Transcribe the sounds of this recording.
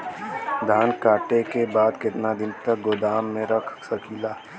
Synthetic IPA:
d̪ʱaːnkaːʈekebaːd̪kɪt̪nad̪ɪnt̪ɐk̚ɡʊd̪aːmːẽɾɐkʰsɐkʰilaː

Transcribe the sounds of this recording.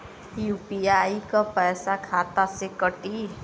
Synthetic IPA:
juːpiaːikapɛɪsakʰaːt̪asekəʈi

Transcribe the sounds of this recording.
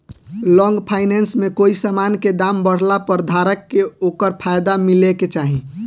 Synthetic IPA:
lɔ̃ŋɡpʰaɪnɛnsmẽkoːisamanked̪ambəɽ̤lapəɾd̪ʱaɾəkːeoːkəɾpʰajd̪amileket͡ʃaːɦĩ

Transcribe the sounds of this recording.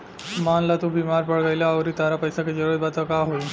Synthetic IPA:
manlat̪ũːbimaɾpəɭɡajlaəʋɾiːt̪aɾapəjsaked͡ʑəɾəd̪̚bat̪akaɦoi

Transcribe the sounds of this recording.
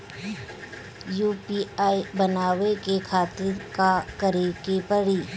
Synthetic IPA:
juːpiːaːibɐnaːʋekekʰaːt̪ɪɾkakɐɾekepəɽiː

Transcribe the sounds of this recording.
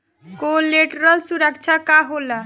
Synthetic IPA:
koleʈɾʌlsuɾəkt͡ʃʰakaɦola

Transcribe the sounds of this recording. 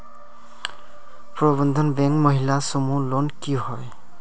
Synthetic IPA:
pɹɔbɔnd̪ʱɔnbɛŋkmʌɦilasɔmulonkiɦɔj

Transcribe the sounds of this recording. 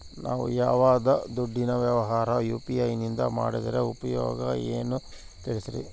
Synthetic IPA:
nʔaːʋṵjaːʋaːd̪ɐd̪uɖːinɐʋjɐʋɐɦaːɾɐjuːpiɐjnind̪ɐma̰ːɽid̪ɐɾeupɐjoːɡɐeːnu | t̪iɭisiɾḭ

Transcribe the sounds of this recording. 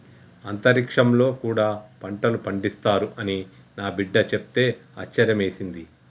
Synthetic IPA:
ɐnt̪ɐɾikʂɐmlo̞ːkuːɽaːpɐɳʈɐlupɐɳɖist̪aːɾuʔɐni | naːbiɖːɐt͡ʃep̚t̪e̞ːɐ̰t͡ʃːɐɾjɐme̞ːsind̪i

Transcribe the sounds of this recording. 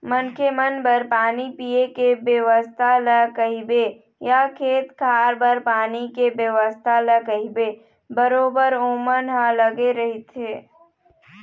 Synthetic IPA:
mənkemənbəɾpaːnipijekebjəʋəst̪ʰaləkəɦibe | jakʰeːt̪kʰaːɾbəɾpaːnikebjəʋəst̪ʰaləkəɦibe | bəɾoːbəɾoːmənɦãləɡeɾɐɦit̪ɦeː

